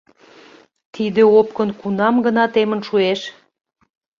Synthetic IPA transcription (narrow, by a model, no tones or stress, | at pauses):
t̪id̪eop̚kənkunɑmɡənɑt̪emənʃueʃ